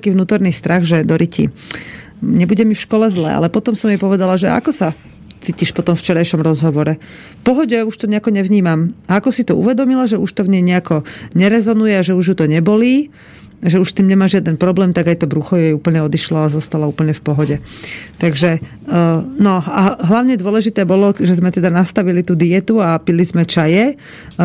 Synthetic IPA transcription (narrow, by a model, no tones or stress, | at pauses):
t̪akiːʋnuːt̪ɔɾniːst̪ɾaɣʒɛd̪ɔɾʔicḭ | ɲɛbuɟɛmifʃkɔlɛzlɛ̰a̰lɛpɔt̪ɔmsɔmjɛpɔʋɛd̪alaʒɛ̰a̰kɔsa | t͡siːciʃpɔt̪ɔmft͡ʃɛɾajʃɔmɾɔzɦɔʋɔɾɛ | fpɔɦɔɟɛuʃt̪ɔɲɛakɔɲɛʋɲiːmamaakɔsit̪ɔṵʋɛd̪ɔmilaʒɛuʃt̪ɔvɲɛjɲɛakɔɲɛɾɛzɔnujɛaʒɛuʒjut̪ɔɲɛbɔliː | ʒɛuʃst̪iːmɲɛmaːʒɪad̪ɛnpɾɔblɛːmt̪aɡajt̪ɔbɾuxɔjɛjuːpl̩ɲɛɔd̪iʃlɔazɔst̪alauːpl̩ɲɛfpɔɦɔɟɛt̪aɡʒɛ | nɔaɦlaʊɲɛd̪ʊɔlɛʒit̪ɛːbɔlɔʒɛzmɛt̪ɛd̪anast̪aʋilit̪uːd̪ijɛt̪uapilizmɛt͡ʃajɛ